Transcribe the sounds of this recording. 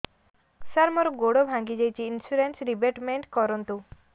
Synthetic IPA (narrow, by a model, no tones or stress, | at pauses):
saɾmɔɾɔɡoɽobʱãŋɡid͡ʒajt͡ʃʰiːnsuɾensɾibeʈmeɳʈkɔɾɔnt̪u